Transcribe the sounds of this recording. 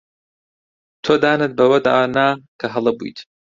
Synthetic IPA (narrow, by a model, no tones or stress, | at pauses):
t̪ʰoːd̪aːnɨt̪̚bɐwɐd̪a̰ːnaːkʰɐɦɐlˠɐbṵjt̪ʰ